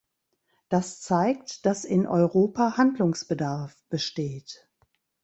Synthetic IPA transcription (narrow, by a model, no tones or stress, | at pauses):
d̥ast͡saɪk̚td̥asɪnʔɔʏʁoːpahandlʊŋsb̥ədaɐfb̥əʃteːt